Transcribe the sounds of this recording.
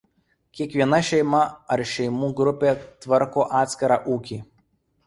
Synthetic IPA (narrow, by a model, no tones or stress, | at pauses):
kʲiɛkʋʲiɛnɐʃʲɛɪmɐɐɾʃʲɛɪmuːɡɾʊpʲeːt̪ʋɐɾkoːʔɑːt̪sʲkʲɐɾɑːʔuːkʲiː